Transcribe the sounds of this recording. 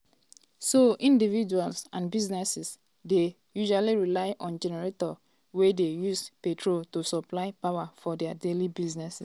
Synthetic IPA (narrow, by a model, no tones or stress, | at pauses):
soʔĩndivid͡ʒualsã̰nbiznɛsis | de | juʒualiɹilaɪʔɔ̃nd͡ʒɛnɛɹetɔ | wedejuspetʰɹoltusɔplaɪpawafɔdɛadelibiznɛsis